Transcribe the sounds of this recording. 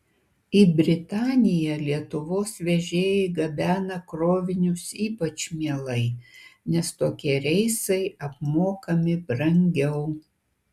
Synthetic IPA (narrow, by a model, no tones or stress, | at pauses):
ɪbʲɾʲɪt̪ɑːnʲɪjɛlʲiɛt̪ʊʋoːsʋʲɛʒʲeːjɛɪɡɐbʲæːnɐkɾoːʋʲɪnʲʊsiːpɐt͡ʃmʲiɛlˠɐɪnʲɛst̪oːkʲiɛɾʲɛɪsɐɪɐp̚moːkɐmʲɪbɾɐŋʲɡʲɛʊ